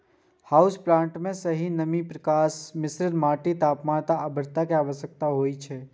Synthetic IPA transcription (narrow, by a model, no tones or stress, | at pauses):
haːʊsplãːɳʈmẽsəɦinəmipɾəkaːsmɪsɾɪɾmaːʈit̪aːpmãːt̪aəbəɾt̪akeaːʋəsjək̚t̪aɦoːit͡ʃʰɛ